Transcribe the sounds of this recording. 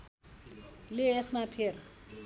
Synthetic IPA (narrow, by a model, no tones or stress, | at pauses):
leesmapʰer